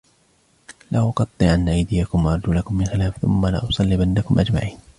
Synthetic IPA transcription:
laʔʊqɑt̪ˤːɨʔanːaʔajd̪ɪjakʊmwɑʔɑɾˤd͡ʒuːlakʊmːɪnxɪlaːfθʊ̰mːala̰ʔʊsˤɑlːibanːakʊmʔad͡ʒma̰ʕiːn

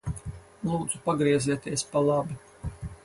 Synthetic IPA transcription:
lˠuːd̪zupaɡɾiɛziɛt̪iɛspalˠabi

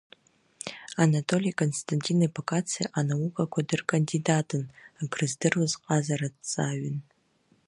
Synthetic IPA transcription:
anatʰʼo̞lʲijakʼo̞nstʰantʲʼinapakʼat͡sʰijaʔanawukʼakʷʰadɨrkʼandidatʼʰɨnaɡrɨzdɨrazqʼazaɾadt͡sʼaɥʏn

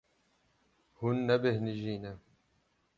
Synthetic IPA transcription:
hunːɐbehniʒiːne

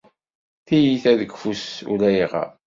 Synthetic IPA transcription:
θijiθæðəɡfusṵlæjiʁɑ̰

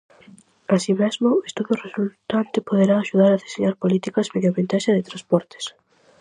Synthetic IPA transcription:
asimɛzmʊest̪uðjoresult̪ant̪ɪpoðeɾaːʃuðaɾaðeseɲaɾpolit̪ikɐzmeðjoβẽnt̪aʃɐðɪt̪ɾãspɔɾt̪ɪ̥s

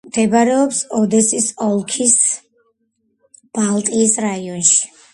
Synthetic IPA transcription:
md̪̥ɛbɾɛɔpsɔd̪ɛsisɔlˠkʰis | b̥alˠt̪ʼiːsɾaiɔnʃi̥

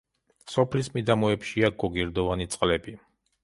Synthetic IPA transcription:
sɔpʰlismid̪amɔɛpʃiaɡɔɡiɾd̪ɔvanit̪sʼqʼlɛbi

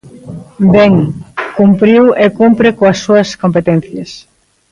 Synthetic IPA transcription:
beŋkumpɾiwekumpɾekoɐsːuɐskompet̪ɛn̟θjɐs

